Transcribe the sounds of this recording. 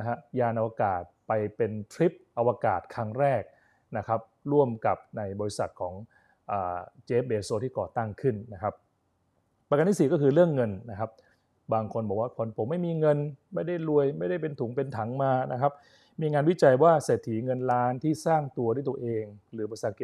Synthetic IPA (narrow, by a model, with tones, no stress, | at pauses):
na˦˥kʰa˦˥ʔjaː˧nʔa˧wa˧kaː˨˩t̪̚pa˧jpe˧nt̪ʰɾi˦˥p̚ʔa˧waː˧ka̰ː˨˩t̪̚kʰa˦˥ŋɾɛː˥˩k̚ | na˦˥kʰa˦˥p̚ɾu˥˩əmka˨˩p̚na˧jbɔː˧ɾi˦˥sa˨˩t̪̚kʰɔː˩˦ŋ | ʔaː˨˩t͡ɕeː˦˥p̚beː˧soː˧˥˩t̪ʰiː˥˩kɔː˨˩t̪a˥˩ŋkʰɯ˥˩nːa˦˥kʰa˦˥p̚ː | a˧ka˧nt̪i˥˩siː˨˩kɔː˥˩kʰɯː˧ɾɯ˥˩əŋːɤ˧nna˦˥kʰa˦˥p̚ | baː˧ŋkʰo˧nbɔː˨˩k̚waː˥˩kʰo˧npʰo˩˦mːa˥˩jmiː˧ŋɤ˧nma˥˩jda˥˩jlu˧əjma˥˩jda˥˩jpe˧nt̪ʰuː˩˦ŋpe˧nt̪ʰa˩˦ŋmaː˧na˦˥kʰa˦˥p̚ | miː˧ŋaː˧nwi˥˩t͡ɕa˧jwaː˥˩se˨˩t̪ʰːiː˩˦ŋɤ˧nlaː˦˥nt̪ʰiː˥˩saː˥˩ŋt̪u˧ɐdu˥˩jt̪u˧ɐ˧ʔeː˧ŋɾɯː˩˦bɔ˧i˧sa˨˩t̪̚i˨˩